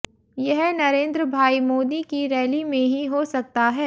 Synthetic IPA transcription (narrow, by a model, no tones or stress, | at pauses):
jɐɦnɐɾẽːnd̪ɾəbʱaːimoːd̪ikiɾɛːlimẽɦiɦosɐk̚t̪aɦɛː